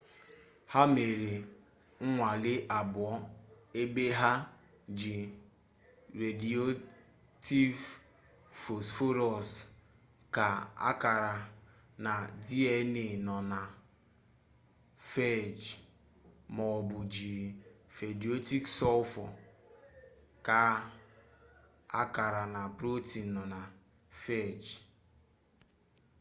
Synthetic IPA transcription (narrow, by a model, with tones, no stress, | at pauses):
ha˦me˨ɾe˨ | ŋ̩˦ŋʷa˨lɪ˦ʔa˨bʊ˨ɔ˦ | e˦be˦ɦa˦ | d͡ʒi˨ | ɾe˨di˨o˦ | ti˦v | fo˨sfo˦ɾɔ˨s | ka˨a̰˦ka˨ɾa˨ | na˨di˦ɛ˦ne˨nɔ˨na˨ | fe˦˨d͡ʒ | mɔ˨bʊ˨d͡ʒi˨ | fe˨di˨o˦ti˦ksɔ˦fɔ˨ | ka˨ | a̰˦ka˨ɾa˨na˨pɾo˦ti˨n˨nɔ˨na˨ | fe˦˨d͡ʒ